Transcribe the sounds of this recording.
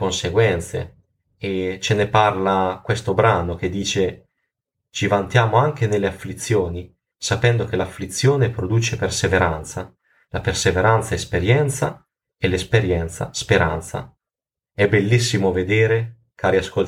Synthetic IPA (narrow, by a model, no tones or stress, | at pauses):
konseɡwɛnt̪sḛ | et͡ʃeneparlakwest̪obɾaːnok̟ed̪ːiːt͡ʃe | t͡ʃivant̪jaːmoaŋk̟enelːeafːlit̪sːjoːni | sapɛnd̪ok̟elafːlit̪sːjoːnepɾod̪uːt͡ʃeperseveɾant̪sa | laperseveɾant̪saespeɾjɛnt̪sa | elespeɾjɛnt̪sa̰speɾa̰nt̪sa̰ | ɛbelːisːimoved̪eːɾe | kaːɾiaskol